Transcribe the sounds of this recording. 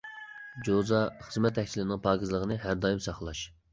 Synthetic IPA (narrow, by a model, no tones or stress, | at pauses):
d͡ʒozɑχəzmɛt̪ʰːɛkʲsʰilɪnɪŋpʰɑːɡʲizlˠəʁənɨɦæɾd̪ɑːjɪmsɑχlˠɑʃ